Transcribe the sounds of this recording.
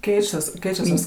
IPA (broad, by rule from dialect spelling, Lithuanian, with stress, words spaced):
ˈkʲɛɪt͡ʃʲɛs ˈkʲɛɪt͡ʃʲɛs tɐs